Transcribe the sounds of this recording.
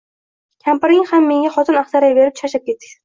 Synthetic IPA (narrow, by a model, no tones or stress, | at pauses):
kʲʰampɪɾɪŋhamːe̞ŋʲaχɒt̪ʰɪnaχsaɾajbe̞ɾɪp̚t͡ʃʰaʃap̚ʲe̞t̪ːɪ̥k̚ʲ